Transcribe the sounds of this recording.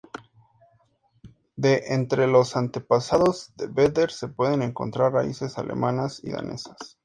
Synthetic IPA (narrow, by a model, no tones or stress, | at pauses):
d̪e̞ʔent̪ɾe̞lo̞sant̪e̞pasaðo̞zðebed̪eɾse̞pwe̞ðe̞ne̞ŋko̞̰nt̪ɾarraise̞sale̞̰mãnasḭða̰ne̞̰sḁs